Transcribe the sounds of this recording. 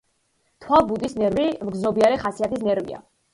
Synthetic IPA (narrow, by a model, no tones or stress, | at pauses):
t̪ʰwalˠbut̪ʼisnɛɾvimɡznɔbiaɾɛχasiat̪ʰis̬nɛɾvḭa̰